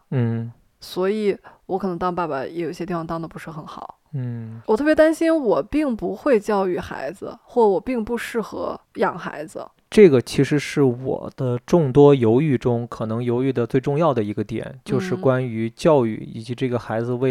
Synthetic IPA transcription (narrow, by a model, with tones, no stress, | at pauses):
n̩˥˩ | swɔ˧˥i˨˩wɔ˧˥kʰɤ˨˩ɤ˧˥ŋt̪ɑ˥˧ŋpa˥˩ba˨jɛ̰˧˥jo˨˩i˥ɕɛ˥t̪i˥˩fɑ˥˧t̪ɑ˥˧d̪ə˩pu˧˥ʂɻ̩˥˩xə˧˥nxɑ˨˩˦ʊn̩˥˩wɔ˨˩t̪ʰɤ˥˩pjt̪a˥nɕi˥nwɔ˨˩pi˥˩ŋpu˧˥xwe˥˧ɪt͡ɕjɑ˥˧ʊy˥˩xa̰˧˥ɪd͡zɹ̩̰˧xwɔ˥˩˥wɔ˨˩pi˥˧ŋpu˧ʂɻ̩˥˩xɤ̰˧˥jɑ˨˩ŋxa̰˧˥ɪd͡z̩̰˧ | ʈ͡ʂɤ˥˩ɡə˩t͡ɕʰi˧˥ʂɻ̩˧˥ʂɻ̩˥˩wɔ̰˨˩d̪̥ə˦ʈ͡ʂʊ˥˩ŋt̪wɔ˥jo˧˥ʊy˥˩ʈ͡ʂʊ˥ŋkʰɤ˨˩nɤ˧˥ŋjo˧˥ʊy˥˩d̪ə˩t͡swe˥˧ɪʈ͡ʂʊ˥˧ŋjɑ˥˩ʊd̪ə˩i˧˥ɡə˧t̪jɛ̰˨˩˦nt͡ɕjo˥˧ʊʂɻ̩˥˩kwa˥ny˧˥t͡ɕjɑ˥˧ʊy̰˥˩ḭ˨˩t͡ɕi˧˥ʈ͡ʂɤ˥˩ɡə˩xa˧˥ɪd͡zɹ̩˧we˥˩ɪ